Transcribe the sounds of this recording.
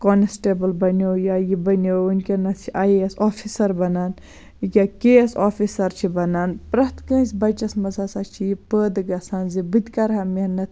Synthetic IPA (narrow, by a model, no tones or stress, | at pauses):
kɔːnesʈeːbɨlbɐnowjajibɐnounkʲenɐsʰiʔajɐsoːfʰisɐɾbɐnaːn | kʲakesoːfisɐɾt͡ʃʰibɐnaːnpɾɐt̪kə̃ːsʲbɐt͡ʃɐsmɐzasat͡ʃʰijipəːd̪ɨɡɐsanzibɨt̪ʲkɐɾɦɐminɐt̪ʰ